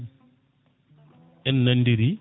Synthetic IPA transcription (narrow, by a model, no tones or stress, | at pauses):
ɛnːandiɾi